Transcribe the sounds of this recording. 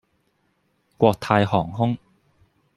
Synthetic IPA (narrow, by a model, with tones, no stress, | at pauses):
kʷɔː˧k̚t̪ʰaː˧jhɔː˨˩ŋɦʊ˥ŋ